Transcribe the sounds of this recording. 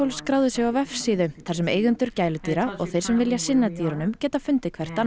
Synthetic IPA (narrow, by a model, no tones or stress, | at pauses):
owlskɾaːwðʏsjɛɣawvɛfsiːðʏθaɾ̥ɛmḛːjɣʏnt̪ʏɾ̥caːjlʏt̪iːɾaɔ̰ɣθejɾ̥sɛmvɪljasɪnːat̪iːɾanʏmcɛːt̪afʏnt̪ɪkʰvɛr̥t̪an